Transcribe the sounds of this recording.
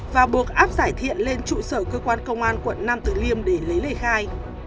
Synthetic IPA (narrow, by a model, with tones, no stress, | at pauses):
vaː˨˩ɓu˨˩ək̚ʔaː˦˥p̚zaː˧˩jt̪ʰḭ˧˨ənle˧nt͡ɕṵ˧˨səː˧˩kəː˧kwaː˧nkə˧wŋ͡mʔaː˧nkwə̰˧˨nːa˧mt̪ɨ˨˩li˧əmɗe˨˧˩lə˨˦jlə˧˩jxaː˧j